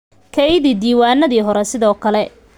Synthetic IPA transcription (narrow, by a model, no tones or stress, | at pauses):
kʰɛjðiːd̪iːwaːnːɐðiːɦɔɾɛsɪðɔːkʰɐlɛ